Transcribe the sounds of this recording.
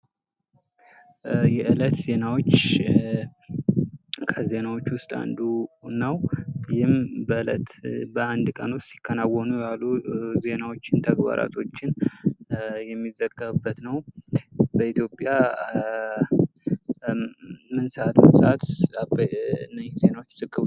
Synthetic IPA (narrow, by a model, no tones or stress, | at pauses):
jɛʔɨlət̪ze̞nawo̞t͡ʃː | kʰəze̞nawo̞t͡ʃːwʊst̪ʼa̰nd̪unːəwjɪmbəɨlə̰t̪bəand̪kʼənot̪si̥kʰːənawːɔnujalːuze̞nawo̞t͡ʃːɪnt̪ʰəɡba̰ɾa̰t̪ʰo̞t͡ʃːɪn | jɛmːizəɡəβɨbːət̪nəw | bəit̪jo̞pʼja | mɨnsəʔat̪mɨnsəʔat̪bnːaze̞nawot͡ʃːsɨkʼːɨβu